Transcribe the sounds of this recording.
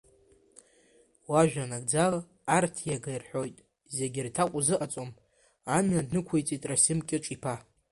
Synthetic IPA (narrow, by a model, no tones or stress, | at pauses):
waʒᶣanaɡd͡zalaː | rtʰjaɡajrħʷᶣo̞jtʼ | ze̞ɡʲɪrtʰakʷʼʊzɨʔat͡sʼom | amnadnɨkʷʰejt͡sʼitʼrasɪmkʲʼɪʈ͡ʂʼipʰa